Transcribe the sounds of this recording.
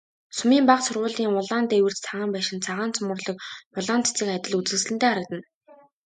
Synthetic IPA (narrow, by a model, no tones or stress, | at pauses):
sʊmiːmpaqsʊrʁʊːɮiːŋʊɮaːnt̪ewɘ̆r̥t̪t͡sʰaʁaːmpæːʃɪ̆nt͡sʰaʁaːnt͡sʰʊmʊ̆rɮɞ̆k̚ʊɮaːnt͡s̪ʰt͡siːkat̪ʲɪ̆ɮut͡sɘ̆ksɮɘ̆nt̪eːaɾə̆k̚t̪ə̆n